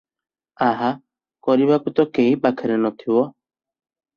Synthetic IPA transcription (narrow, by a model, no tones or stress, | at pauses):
aɦa | kɔɾiβakut̪ɔkeɦipakʰɛɾɛnɔt̪ʰiwɔ